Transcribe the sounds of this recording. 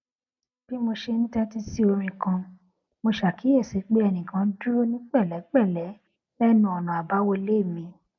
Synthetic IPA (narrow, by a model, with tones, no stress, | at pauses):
b̥i˦mo˧ʃe˧nĩ˦tɛ˦ti˦si˦o˧ɾ̃ĩ˧kã˧ | mo˧ʃa˨ki˨˦ɛ˦˨se˨˦k͡pe˦ɛ˧nĩ˨kã˨˧˦du˦o˦nĩ˦k͡pɛ˦˨lɛ˨˦k͡pɛ˦˨lɛ˨˦ | lɛ˦nũ˧˦ɔ˨nã˨a˨ba˨˦wo˧le˦˨mĩ˧